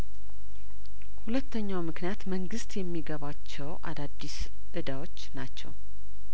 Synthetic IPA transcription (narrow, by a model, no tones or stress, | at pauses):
hulət̪ʰːəɲːawmɨknijat̪məŋɡɨst̪jɛmːiɡəβat͡ʃːɛwʔa̰d̪ad̪ːis | ʔɨd̪awo̞t͡ʃːnat͡ʃːɛ̰w